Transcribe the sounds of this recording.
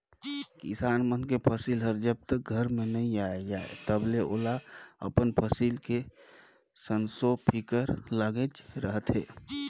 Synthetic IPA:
kɪ̰saːnmənkepʰəsilɦəɾd͡ʒəb̚t̪ək̚ɡʱəɾmẽnəɦĩaːjd͡ʒaːḛt̪əbleʔoːlaə̰pənpʰəsiːlke | sənsopʰikəɾləɡet͡ʃɾəɦət̪ɦɛː

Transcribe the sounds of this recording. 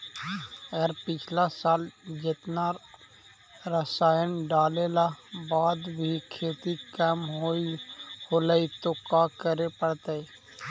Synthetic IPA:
əɡəɾpɪt͡ʃʰlasaːld͡ʒɪt̪na | ɾəsaːjənɖaːlelabaːd̪bʱikʰeːt̪ikəmɦoːihoːləit̪okaːkəɾepəɽt̪eɛ

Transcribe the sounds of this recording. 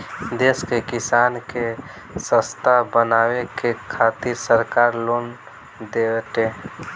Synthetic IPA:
d̪eskekɪsaːnke | sə̃st̪ʰabənawekekʰat̪iɾsəɾkaːɾloːn | d̪et̪e

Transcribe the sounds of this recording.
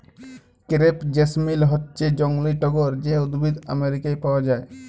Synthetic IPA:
kɾepd͡ʑesmilɦɔtːt͡ʃed͡ʑɔŋliʈɔɡoɾd͡ʑeud̪bid̪a̰meɾikajpawad͡ʑae

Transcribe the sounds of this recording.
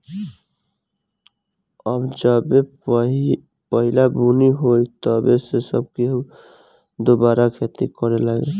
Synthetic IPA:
əbd͡ʒəbe | pəɦɪlabuniɦoit̪ɔbesesəb̚keɦ | d̪obaːɾakʰet̪ikəɾelaɡḛ

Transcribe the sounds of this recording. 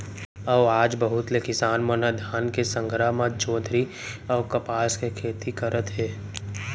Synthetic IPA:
əʋaːd͡ʒbəɦʊt̪lekɪsaːnmənəd̪ʱjaːnkesə̃ŋɡʱɾamad͡ʒoːd̪ʱɾi | ɔːkɐpaːskekʰeːt̪ʰikəɾʔət̪ɦɛː

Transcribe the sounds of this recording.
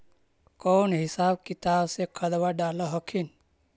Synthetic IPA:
koːnɦɪsaːb̚kɪt̪aːbsekʰəd̪ʋaɖaːlaɦəkʰin

